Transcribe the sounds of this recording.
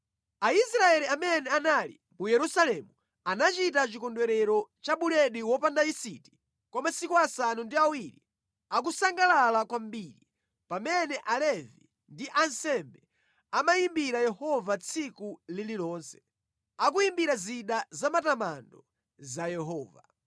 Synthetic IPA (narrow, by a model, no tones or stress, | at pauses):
aisɾaɛliamɛnɛanalḭ | mujɛɾusalɛmu | anat͡ʃitat͡ʃikɔndwɛɾɛɾɔt͡ʃaɓuɾɛɗiwɔpandaisiti̥ | kwamasikuasanundiawiɾḭ | ak̬usaŋɡalalakwambiɾi | pamɛnɛʔalɛvḭ | ndiʔansɛmbɛ | amaimbiɾajɛhɔvat͡sʰikulililɔːnsɛ̥ | ak̬uimbiɾaziɗazamatamandɔ | zajɛɦɔːva̰